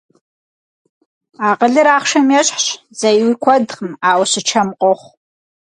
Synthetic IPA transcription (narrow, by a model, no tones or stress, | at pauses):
aːqʼəɮɨɾaːχʷʂɐmjaɕʼħɕ | zɐjwikʷʰɔdχmaːwʷɕɨt͡ʃʰɐmqʼoχʷ